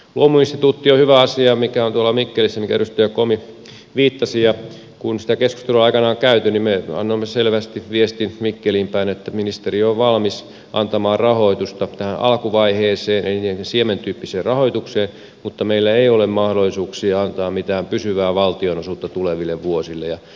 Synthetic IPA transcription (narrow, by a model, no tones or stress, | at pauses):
luomuinst̪it̪uːt̪ːiohyʋæɑsiɑmikæont̪uolːˑɑmikːelisːæmikæryst̪yøkomi | ʋiːt̪ːɑsijɑ | kunsi̥t̪ækesku̥st̪eluɑikɑnɑoŋkæyt̪ynimmeɑ̰nːomːeselʋæst̪iʋʋiest̪inmikːeliːmpæinet̪ːæminist̪erioʋʋɑlmis | ʔɑ̰nt̪ɑmɑːrrɑhoit̪ust̪ɑt̪æhænʔɑ̰lkuʋɑiheːseːneniːensiement̪yːpːiseːrrɑhoit̪ukseːn | mut̪ːɑmeilːæeiolemmɑhdolːˑisuːksiɑnt̪ɑːmmit̪æːmpysyʋæːʋɑlt̪ionosuːt̪ːɑt̪uleʋilːeʋʋuosilːḛjɑ